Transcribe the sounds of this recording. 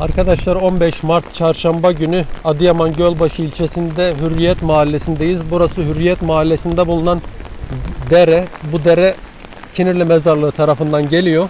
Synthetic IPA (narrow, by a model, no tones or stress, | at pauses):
aɾkʰad̪aʃlˠaɾo̞nbɛʃmaɾt̪t͡ʃʰaɾʃambaɟynyad̪ɯjamanɟølʲbaʃɯilʲt͡ʃʰe̞sind̪ɛɦyɾːijɛt̪maːlʲːe̞sind̪ejizbuɾasɯɦyɾːijɛt̪maːlʲːesind̪ɛbulˠunan | d̪eɾɛbud̪eɾɛ | cʰiniɾlʲɛmɛzaɾlˠɯɯt̪ʰaɾafɯnd̪anɟe̞lʲijo